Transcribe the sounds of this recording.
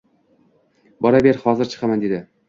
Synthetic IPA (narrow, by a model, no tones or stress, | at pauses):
bɒɾabe̞ɾhɒzɪɾt͡ʃʰɨ̥qʰɑmand̪e̞d̪ɪ